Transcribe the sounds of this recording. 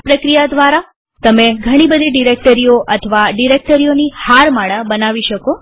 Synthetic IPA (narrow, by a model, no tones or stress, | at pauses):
pɾəkɾijad̪ʋaɾa | t̪əmeɡʱəɽ̃ibəd̪ʱiɖiɾek̚ʈəɾioʔət̪ʰʋaɖiɾek̚ʈəɾijonihaɾmaɽ̃əbənaʋiʃəko